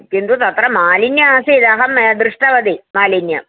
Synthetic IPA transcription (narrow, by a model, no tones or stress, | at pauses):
kind̪ut̪ɐt̪ɾɐmaːlinjɐaːseid̪aːɦɐmd̪ɾɨʂʈɐʋɐd̪imaːlinja̰m